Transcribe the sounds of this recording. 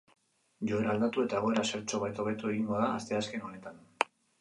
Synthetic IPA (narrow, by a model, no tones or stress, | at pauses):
ʝo̞e̞ɾaːld̪at̪ue̞t̪ae̞ɣ̞o̞e̞ɾase̞ɾt͡ʃo̞βajt̪o̞β̞e̞t̪ue̞ɣiŋɡo̞ðaːst̪e̞aske̞no̞ne̞t̪an